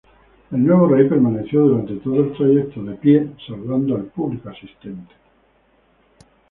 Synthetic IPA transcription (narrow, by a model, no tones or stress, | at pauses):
elnwe̞β̞orejpe̞ɾmaneθjoðuɾant̪et̪oðoe̞lt̪ɾajek̚t̪oðepjesalβand̪oalpuβlikoasist̪ent̪e̥